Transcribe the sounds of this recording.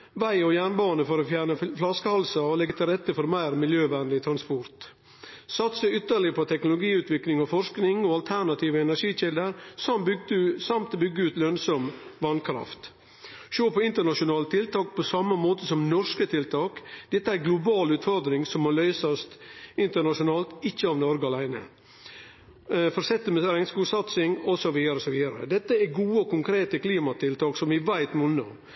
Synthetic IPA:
ʋæɪɔjæːɳbɑːnəfɔɾoːfjæːɳəflɑskəhɑlsɑɔlɛɡət̪ʰɪlɾɛt̪ːəfɔɾmæɪɾmɪljøːʋænlɪt̪ʰɾɑnspɔɾt̪ | sɑt̪səʏt̪ːəɭɪəpʰɔt̪ʰɛknʊlʊɡiːʉːt̪ʋɪklɪŋɔfɔʂknɪŋɔɑlt̪ʰæɳɑt̪ʰiːʋəɛnæʂiːçɪld̪əɾsɑmbʏsɑmt̪bʏɡəʉːt̪lœnsɔmʋɑnkʰɾɑ̰ft̪ | ʃøːpʰɔɪnt̪əɳɑʂʊnɑːlət̪ʰɪlt̪ɑːk̚pʰɔsɑmːəmoːt̪əsɔmnɔʂkət̪ʰɪlt̪ʰɑːkd̪̥ɛt̪ːəæɾɡlʊbɑːlʉːt̪fɔɾd̪ɾɪŋsɔmːoːlœʏsɑst̪ɪnt̪əɳɑʂʊnɑːlt̪ɪçːəɑʋnɔɾɡəɑlæɪnə̰ | fɔɾsɛt̪ːəməɾɛŋskuːsɑt̪sɪŋɔsɔʋiːd̪ɑɾəsɔʋiːd̪ɑɾə̰d̪ɛt̪ːəæɡuːəɔkʊŋkʰɾeːt̪əkliːmɑt̪ɪlt̪ʰɑːksɔmʋɪʋæɪt̪mʊnɔ̰

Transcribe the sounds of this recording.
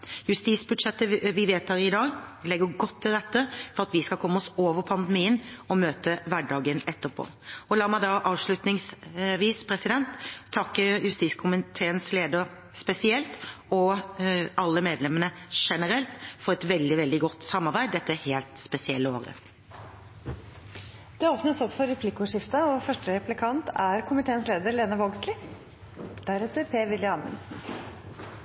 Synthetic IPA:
jʉst̪iːsbʉd̪ʂɛt̪ːəʋɪʋeːt̪hæɾɪd̪ɑːɡlɛɡːəɡɔt̪ʰːɪlɾɛt̪ːəfɔɾʁɑt̪ʋɪskɑkʰɔmːəɔsoːʋəpʰɑnd̪əmiːənɔmøːt̪əʋæɖɑːɡənɛt̪ːəpʰo̰ː | ɔlɑːmæɪd̪ɑːʔɑːʋʂɭʉt̪nɪŋsʋiːspʰɾɛsɪd̪ɛnt̪ʰːɑkːəjʉst̪iːskʰʊmɪt̪ʰeːənsleːd̪əɾ | spɛsɪɛlt̪ɔ | ɑlːəmeːd̪lɛmənəʂɛnəɾɛlt̪fɔɾɛt̪ʋɛld̪ɪʋɛld̪ɪɡɔt̪ːsɑmːɑɾbæɪd̪d̪ɛt̪ːəheːlt̪spɛsɪɛlːəoːɾə̰ | d̪̥ɛoːpnəsɔpfɔɾɛpʰlɪkʊʂɪft̪ɑɔfœʂʈəɾɛplɪkʰɑnt̪æɾkʰʊmɪt̪ʰeːənsleːd̪əɾleːnəʋoːɡslɪ | d̪̥æɾɛt̪əɾpʰeːʋɪljəɑnə̰nsn̩

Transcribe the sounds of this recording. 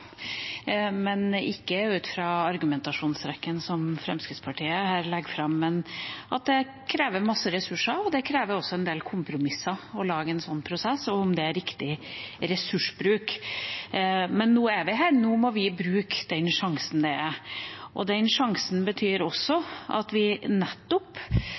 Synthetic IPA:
mɛnɪkːəʉːt̪fɾɑɑɾɡʉmɛnt̪ɑʂuːnsɾɛkːənsɔmfɾɛ̰mskɾɪd̪spʰɑʈʰiːəhæːɾlɛɡfɾɑmːɛnʔɑt̪̚d̪ɛ | kʰɾeːʋəɾmɑsːəɾɛsʉʂɑɾɔd̪ɛkʰɾeːʋəɾɔsːɔɛnd̪eːlkʰʊmpɾʊmɪsːɑɔlɑːɡəɛnsɔnːpʰɾʊsɛsːɔʊmd̪ɛæɾɪkt̪ɪɾɛsʉʂbɾʉːk | mɛnːuːæɾʋɪɦæːɾnuːmɔʋɪbɾʉːkd̪̥ɛnʂɑŋsən̩d̪ɛæɾʔɔ̰d̪ɛnʂɑŋsn̩bət̪ʰyːɾɔsɔʔɑ̰t̪ʋɪnɛt̪ːɔp

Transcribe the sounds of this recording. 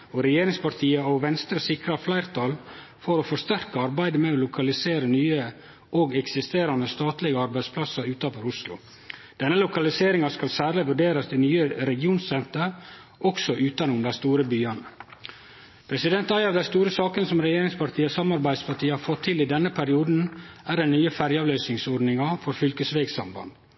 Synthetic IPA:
ɔɾɛjeːɾɪŋspɑɾt̪ʰiːəɔʋɛnst̪ɾəsɪkɾɑflæɪɾt̪ʰɑl | fɔɾɔfɔɾst̪æɾkəɑɾbæɪd̪əmɛoːlʊkʰɑlɪseːɾənyːə | ʔoɡɛksɪst̪eːɾɑnəst̪ɑːt̪lɪɡəɑɾbæɪd̪spʰlɑsɑɾʉːt̪ɑnfɔɾʊslʊ̰ | d̪̥ɛnːəlʊkɑlɪseːɾɪŋɑskɑlsæːɾlɪʋʉɖeːɾɑst̪ɪnyːəɾɛɡɪuːnsɛnt̪əɾ | ʔɔksɔʔʉːt̪ɑnʊmd̪æst̪uːɾəbyːɑnə | pʰɾɛsɪd̪ɛnt̪ɑjɑʋd̪æst̪uːɾəsɑːkənsɔmɾɛjeːɾɪŋspɑɾʈ̪ʰiːəsɑmɑɾbæɪd̪spʰɑʈ̪iːəhɑːɾfɔt̪ʰːɪlɪd̪ɛnːəpʰæɾɪuːd̪n̩ʔæːɾɛnnyːəfæɾjəɑːʋløːsnɪŋsɔɾɖnɪŋɑfɔɾfʏlkəsʋeːɡsɑmbɑ̰nd̪

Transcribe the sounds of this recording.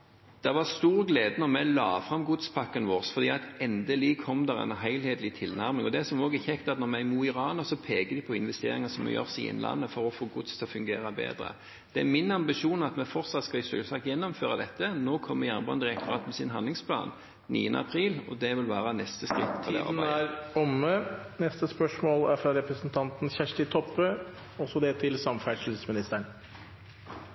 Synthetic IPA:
d̪̥ɑʋɑʁst̪uːʁɡleːd̪ənɔʁmɛɪlɑːfʁɑmɡʊd̪spʰɑkːənʋoːʁsfɔʁd̪iːɑt̪ɛnd̪əlikʰɔmːd̪æʁɛ̰nɦæɪlheːd̪lɪt̪ʰɪlnæʁmɪŋɔd̪ɛsɔmoːɡəçɛkt̪ɑt̪nɔʁmɛɪmuːɪʁɑːnəʁsɔpʰeːɡəd̪ɪpʰɔɪnʋɛst̪ḛːɾɪŋəsɔmɛ̰jø̰ʁsɪ̰ɛ̰nlʔɑ̰nːəfɔɾɔfoːɡʊd̪st̪ʰɛlɔfʉŋɡeːɾɑbḛːd̪ɾə̰ | d̪̥ɛæmɪnɑmbɪʃuːnɑt̪mɛfɔʁt̪sɑt̪skɑɪsʉ̰lsɑkjɛnːɔmføːʁɑd̪ɛt̪ːənoːkʰɔmːəjænbɑnd̪ɪʁɛkt̪ʊʁɑːt̪mɛsɪnɦɑnd̪lɪŋspʰlɑ̰ːn | nḭːənəɑ̰pʰɾiːlɔd̪ɛʋɪlʋæːʁənɛst̪əskʁɪt̪ːʰɪd̪ɛ̰ɑ̰nææɾɔmːə | nɛst̪əspœʂmoːlæɾfɾɑɾɛpɾəsənt̪ʰɑnt̪n̩çæʂʈɪt̪ʰɔpːə | ɔsɔd̪ɛt̪ʰɪlsɑmfæʂl̩smɪnɪst̪əɳ

